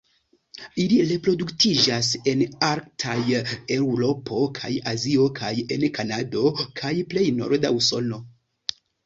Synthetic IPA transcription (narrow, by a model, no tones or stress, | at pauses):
iliɾe̞pɾo̞duktid͡ʒase̞naɾktʰaje̞wɾo̞pʰo̞kʰa̰jazio̞kʰaje̞nkanado̞kʰajple̞jno̞̰ɾda̰uso̞no̞